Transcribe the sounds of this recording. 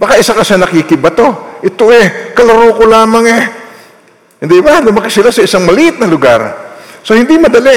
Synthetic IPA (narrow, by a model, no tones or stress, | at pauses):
bakaʔɪsakɐsanɐkkɪkɪbɐt̪o̞ʔɪt̪oʔɛkɐlaɾoːkolaːmaŋɛ | hɪnd̪ibalʊmɐkɪsɪlasɐʔɪsaŋmɐliʔɪt̪̚nɐlʊɡa̰ɾsohɪnd̪imɐd̪ɐlɛ